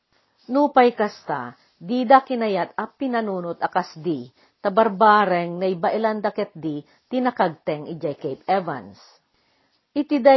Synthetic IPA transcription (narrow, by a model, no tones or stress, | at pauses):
nupajkɐst̪a̰ | d̪id̪akɪnɐjat̪̚ɐpɪnɐnuːnʊt̪ɐkasd̪i | t̪ɐbɐɾbaːɾɛŋnɐʔɪbaʔɪland̪ɐkɛt̪̚d̪i | t̪inɐkaɡ̚t̪ɛŋɪd͡ʒajkejpɛva̰ns | ʔɪt̪ɪd̪a